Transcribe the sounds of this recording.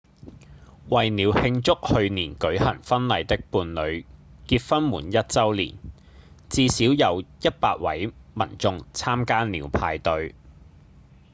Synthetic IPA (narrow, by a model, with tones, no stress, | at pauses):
wɐ˨jniː˨˥whɪ˧ŋt͡sʊ˥k̚hɵ˧ɥniː˨˩nkɵ˨˥ɥhɐ˨˩ŋfɐ˥nlɐ˨˧jt̪ɪ˥k̚puː˧nlɵ˨˧ɥkiː˧t̚fɐ˥nmuː˨˩njɐ˥t̚t͡sɐ˥wlḭː˨˩n | t͡siː˧siː˨˥wjɐ˨˧wjɐ˥t̚paː˧t̚wɐ̰˨˥jmɐ̰˨˩nt͡sʊ˧ŋt͡sʰaː˥mkaː˥niː˨˧wpʰaː˧jt̪ɵ˧ɥ